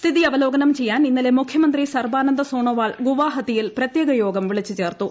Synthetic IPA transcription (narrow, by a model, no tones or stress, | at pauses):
st̪ʰiðiɐʋɐlo̞ːɡɐnɐmt͡ɕe̞jːaːninːɐle̞mukʰjɐmɐnd̪risɐrbaːnɐnd̪ɐsoːɳoːʋaːɭɡuʋaːɦɐd̪ijilprɐt̪jeːɡɐjo̞ːɡɐmʋiɭit͡ɕːut͡ɕe̞ːrt̪u